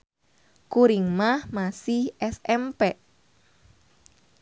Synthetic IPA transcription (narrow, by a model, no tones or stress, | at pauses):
kuɾiŋmahmasɪhʔɛsɛmpɛʔ